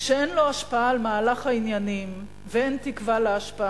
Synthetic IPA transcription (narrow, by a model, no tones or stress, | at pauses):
ʃeenlo̞aʃpaalemaːlaχainjanim | vee̞nt̪ikvaleaʃpaa